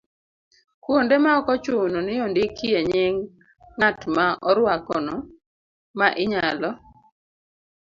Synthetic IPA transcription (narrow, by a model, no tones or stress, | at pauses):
kwondemaɔkɔt͡ʃʊnɔnɪjondɪkieɲɪŋː | atmaɔɾwakɔnɔ | maʔɪɲalɔ